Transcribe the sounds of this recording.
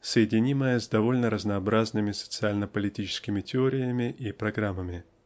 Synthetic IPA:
səjɪdʲɪnʲiməjəzʲd̪ɐvo̞lʲnəɾəznɐːbɾaznɨmʲɪsə̥t̪sɨalʲnəpəlʲɪtʲit͡ɕɪ̥skʲɪmʲɪtʲɪoɾʲɪjəmʲɪʔipɾɐɡɾamːəmʲɪ

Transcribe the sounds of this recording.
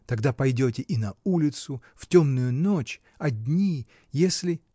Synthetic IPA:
t̪ɐɡd̪apɐjdʲotʲɪʔinɐulʲɪt̪sʊftʲomnʊjʊnot͡ɕ | ɐdʲnʲi | jesʲlʲɪ

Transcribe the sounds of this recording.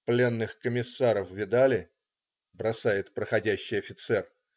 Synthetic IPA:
plʲe̞nːɨxkəmʲɪsːaɾəfvʲɪd̪alʲɪ | bɾɐsajɪt̪pɾəxɐdʲæɕːɪjɐfʲɪt̪sɛr

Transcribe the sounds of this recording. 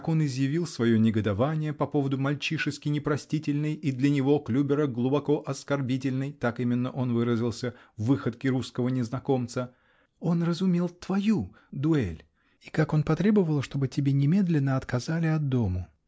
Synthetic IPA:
ko̞nɪzjɪvʲilˠsvɐjo̞nʲɪɡəd̪ɐvanʲɪjəpɐpo̞vəd̪ʊmɐlʲt͡ɕiʂɨskʲɪnʲɪpɾɐsʲtʲitʲɪlʲnɨjid̪lʲənʲɪvo̞klʲubʲɪɾəɡlˠubɐko̞ʔɐskɐrbʲitʲɪlʲnɨjt̪akimʲɪnːəʔo̞nvɨɾəzʲɪlˠsʲəvːɨxət̪kʲɪɾuskəvənʲɪznɐko̞mt̪sə | o̞nrəzʊmʲe̞lˠt̪v̥ɐju | d̪ʊɛlʲ | ikako̞npɐt̪ɾʲe̞bəvəlˠʂt̪o̞bɨtʲɪbʲenʲɪmʲe̞d̪lʲɪnːəɐt̪kɐzalʲɪɐd̪̚d̪o̞mə

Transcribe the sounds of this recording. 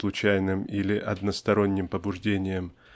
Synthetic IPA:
lˠʊt͡ɕæjnɨmilʲɪʔɐd̪nəst̪ɐɾo̞nʲːɪmpəbʊʐdʲenʲɪjəm

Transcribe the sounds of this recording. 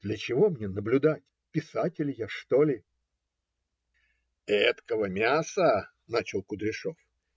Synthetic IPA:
d̪̥lʲət͡ɕɪvo̞mnʲenəblʲʊd̪atʲ | pʲɪsatʲɪlʲɪjaʂt̪olʲɪ | ɛt̪kəvəmʲasə | nat͡ɕɪlˠkʊd̪ɾʲɪʂof

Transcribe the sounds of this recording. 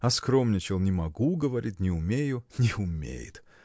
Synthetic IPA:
ɐskɾomnʲɪt͡ɕɪlˠnʲɪmɐɡuɡəvɐɾʲit̚ʲnʲɪʊmʲejʊnʲɪʊmʲḛjɪ̰t̪

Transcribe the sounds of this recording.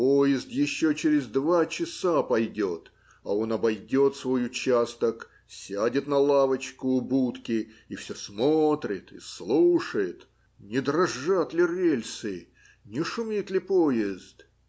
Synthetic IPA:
pojɪzt̪jɪɕːot͡ɕɪɾʲɪzd̪vat͡ɕɪsapɐjdʲot̪ | ɐ̰o̞nɐbɐjdʲo̞t̪svo̞jʊt͡ɕast̪ək | sʲadʲɪt̪nɐlˠavət͡ɕkʊʊbut̪kʲɪifsʲosmot̪ɾʲɪt̪ɪ̰slˠuʂəjɪt̪ | nʲɪd̪ɾɐʐːat̪lʲɪrʲelʲsɨ | nʲɪʂʊmʲit̪lʲɪpojɪzt̪

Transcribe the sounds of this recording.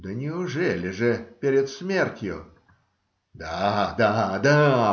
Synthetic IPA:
d̪ənʲɪʊʐɛlʲɪʐɨpʲeɾʲɪt̪smʲertʲjʊ̰ | d̪ad̪ad̪a

